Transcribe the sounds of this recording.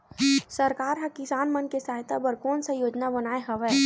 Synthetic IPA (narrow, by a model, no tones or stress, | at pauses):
sɐɾkaːɾɦakɪsaːnmɐnkesaːɦɪt̪abəɾkɔːnsə̃joːd͡ʒnabɐnaːeɦɐʋɛ